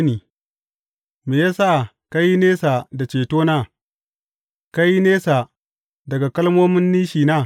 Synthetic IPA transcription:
ni˨ | me˨ja˦sa˦ʔa˨ | ka˦ji˦neː˦sa˨da˨t͡ʃeː˨toː˦na˦˨ | ka˦ji˦neː˦sa˨ | dɐ˨ɡa˨kɐ˦lmoː˦mɪ˦nːiː˦ʃiː˨na˦˨

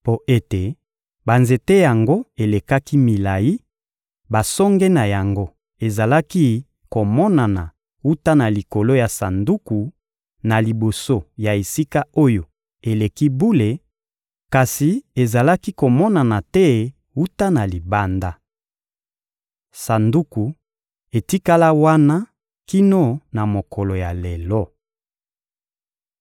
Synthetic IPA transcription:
po˦ʔe˦te˨ | ba˨nze˨te˦ja˨ŋɡo˦e˨le˨ka˦ki˦mi˨la˨ji˦ | ba˨sɔ˦ŋɡɛ˦na˨ja˨ŋɡo˦ | e˨za˨la˦ki˦ | ko˨mɔ˦na˨na˨ | u˦ta˦na˨li˨ko˨lo˦ja˨sa˨ndu˦ku˨ | na˨li˨bo˨so˦ja˨e˨si˦ka˦o˦jo˨ | e˨le˨ki˦bu˦le˨ | ka˨si˨e˨za˨la˦ki˦ko˨mɔ˦na˨na˨tɛ˦ | u˦ta˦na˨li˨ba˦nda˦ | sa˨ndu˦ku˨ | e˨ti˦ka˦la˦wa˦na˦ | ki˦no˦na˨mo˨kɔ˨lo˨ja˨le˨lɔ˦

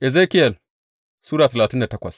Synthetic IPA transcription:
ʔɛ˨zeː˦kɪ˦jɐ˨l | suː˦ɽaː˨tɐ˨laː˨tɪ˦nda˨tɐ˦kʷɐ̰˨s

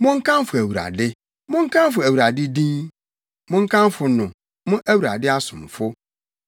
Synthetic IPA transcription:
mʊ̃˦ŋ̩˦kʰã˦m˦fʊ˨æ˨wu˨ɾa̰˨dɪ˦ | mʊ̃˦ŋ̩˦kʰã˦m˦fʊ˨æ˨wu˨ɾa˨dɪ˦dĩ˦n | mʊ̃˦ŋ̩˦kʰã˦m˦fʊ˨nʊ̃˨ | mʊ̃˦ʔæ˦wu˨ɾa˨dɪ˦a˦sʊ̃˨m˨fʊ˦

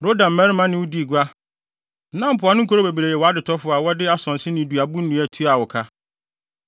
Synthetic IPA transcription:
ɾo˦dã˨m̩˨mɛ̃˦ɾɪ˦mã˦nɪ̃˨wʊ˦di˦˨ɡʷa˦ | nã˦m̩˦pʰʊ˨a˨˦nɪ̃˦ŋ̩˦kʰo˦ɾo˦be˨bi˨ɾe˨jɛ˨wɔ˨a˦dɪ˨tʰɔ˦fʊ˨a˨wɔ˦dɪ˦a˦sɔ̃˨n˨sɪ˦nɪ̃˨du˨a˨bu˦n̩˦nũ˦æ˨tʰu˦a˨wɔ˨kʰa˦

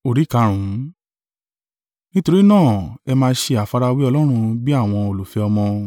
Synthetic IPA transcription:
o˨ɾi˨˦ka˨˦ɾ̃ũ˨˦ | nĩ˦to˧ɾi˦nãː˦˨ɛ˧mãː˧˦ʃe˧a˨fa˧ɾa˧wi˦ɔ˧lɔ˦ɾ̃ũ˧bi˦a˦˨w̃ɔ̃˧o˨lo˨fɛ˧ɔ˧mɔ̃˧

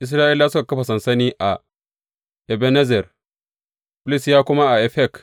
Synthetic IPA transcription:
ʔɪ˨s̬ɾaː˦ʔɪ˦lːa˦sʊ˦ka˨kɐ˦ɸa˨sɐ˨nsɐ˦niː˦ʔa˨ | ʔɛ˨bɛ˦nɛ˦zɛ˨r | bɪ˦lɪ˦sjaː˦kʷʊ˦ma˦ʔa˨ʔɛ˨ɸɛ˦˨k

